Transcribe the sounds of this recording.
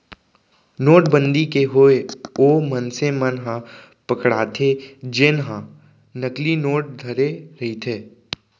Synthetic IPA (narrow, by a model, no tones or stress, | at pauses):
noːʈ̚bə̃nd̪ikeɦoeoːmənsemənɦã | pɐkɽaːt̪ʰed͡ʒeːnɦã | nəklinoːʈ̚d̪ʱɐɾeɾɐɦit̪ʰeː